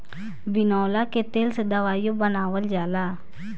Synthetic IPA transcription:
bɪnɔːlaket̪eːlsed̪ɐʋaːjobənaːʋəld͡ʒaːlaː

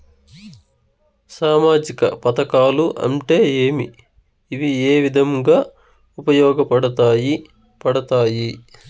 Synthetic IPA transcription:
saːmaːd͡ʒikɐ̰pɐt̪ɐkaːluʔɐ̰ɳʈe̞ːeːmḭː | ʋieːʋid̪ʱɐŋɡaː | upɐjɔːɡɐpɐɽɐt̪aːji | pɐɽɐt̪aːji

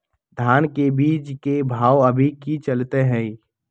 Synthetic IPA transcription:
d̪ʱaːnkebiːt͡ʃkebʱaːwəbʱikit͡ʃəlt̪eɦɛ̃i

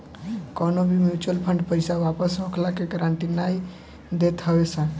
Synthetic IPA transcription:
kɔnobʱimjut͡ʃəlpʰəɳɖpəɪsaʋapəsɦokʰlakeɡəɾãɳʈinai | d̪et̪ɦəʋesə̃

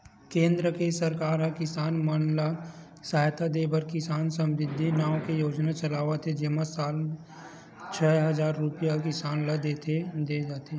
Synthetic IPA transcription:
kẽːnd̪ɾəkesɐɾkaːɾɦəkɪsaːnmənla | saɦt̪ad̪eːbəɾkɪsaːnsə̃mɾɪd̪ʱinaːõkejoːd͡ʒnat͡ʃɐlaːʋət̪ʰed͡ʒɪɦməsaːl | t͡ʃʰɛɦɐzaːɾːʊpijakɪsaːnləd̪eːt̪ʰed̪ed͡ʒaːt̪e

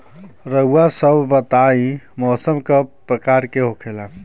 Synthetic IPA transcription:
ɾəɦuasəbʱbət̪aĩmɔːsəmkepɾəkaɾkeɦokʰela

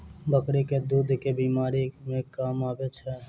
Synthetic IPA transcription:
bəkɾeked̪ud̪ʱkebimaːɾimẽkaːmaːbet͡ʃʰɛ

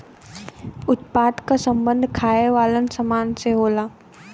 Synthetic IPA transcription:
ʊt̪paːʈkasɐ̃mbə̃nd̪ʱkʰaːeʋaːlən̆sɐmaːnseɦoːlaː

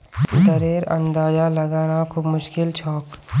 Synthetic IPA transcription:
sɐɾeːɾɐ̰̃nd̪aːd͡ʒalɐɡaːnakʰʊbmʊʃkɪlt͡ʃʰɔːk

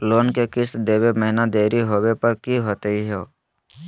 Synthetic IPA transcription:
loːnkekɪsd̪eːweməɦnad̪eːɾiɦoːwepəɾkiɦoːt̪eiɦɛoː

